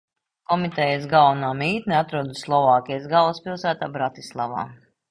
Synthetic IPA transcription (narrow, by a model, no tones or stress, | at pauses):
kɔmit̪ɛjasɡalˠnaːmiːt̪nʲiat̪ɾuɔd̪uslˠɔvɑːkʲijsɡalˠspilˠsæːt̪aːbɾat̪islˠava̰ː